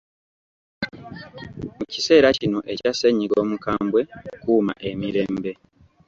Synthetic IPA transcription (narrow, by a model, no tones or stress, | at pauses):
muci̥se̞ːɾacino̞ʔe̞caseɲːiɡo̞ːmukaːmbwe̞kuːma̰ʔe̞miɾe̞ːmbe̞